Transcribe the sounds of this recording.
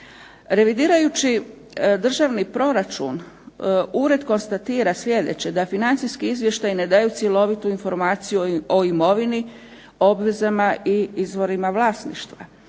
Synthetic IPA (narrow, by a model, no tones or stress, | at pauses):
ɾe̞ʋid̪iːɾajut͡ɕi | d̪r̩ʒaʋnipɾo̞ɾat͡ʃṵn | uːɾe̞d̪ko̞nst̪at̪iːɾasʋje̞d̪e̞̰t͡ɕe̞d̪afinant̪sijskiizʋje̞ʃt̪ajine̞d̪ajut̪sʲje̞lo̞ʋit̪uinfo̞ɾmaːt̪sijuoimo̞ʋini | o̞bʋe̞zamaʔiizʋo̞ɾimaʋlˠasnḭʃt̪ʋa̰